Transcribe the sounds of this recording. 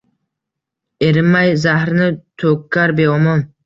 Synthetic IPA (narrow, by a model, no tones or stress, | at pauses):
eɾɪmːajzahɾnɪt̪ʰokʰːaɾbeɔmɔn